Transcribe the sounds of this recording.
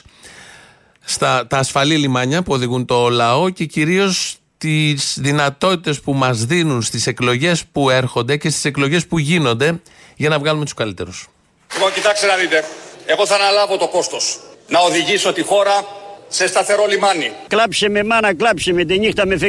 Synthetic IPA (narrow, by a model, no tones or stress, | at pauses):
st̪ɐt̪ɐːsfɐlilimɐɲɐpuo̞ðiɣunt̪o̞lɐo̞ce̞ciɾio̞s | t̪iz̥ðinɐt̪o̞t̪it̪e̞spumɐzðinunst̪ise̞klo̞ʝe̞spue̞ɾxo̞nd̪e̞ce̞st̪i̥se̞klo̞ʝe̞spuʝino̞nd̪e̞ | ʝɐnɐvɣɐlume̞t̪u̥skɐlit̪e̞ɾus | ɣocit̪ɐkst̪enɐðit̪e̞e̞ɣo̞θɐːnɐlɐvo̞t̪o̞ko̞st̪o̞snɐoðiʝiso̞t̪ixo̞ɾɐse̞st̪ɐθe̞ɾo̞limɐniklɐpsememɐnɐklɐpsemet̪eɲixt̪ɐmefe